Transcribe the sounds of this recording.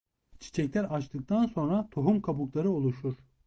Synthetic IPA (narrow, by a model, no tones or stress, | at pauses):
t͡ʃʰi̥t͡ʃʰɛclʲæɾat͡ʃt̪ʰɯk̚t̪ʰanso̞nɾat̪ʰoɦumkʰabuklˠaɾɯolˠuʃuɾ̥